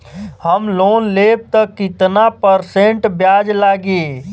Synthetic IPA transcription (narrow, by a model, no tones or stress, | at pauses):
həmlonleb̚t̪əkːit̪napəɾseɳʈbjad͡ʒlaɡe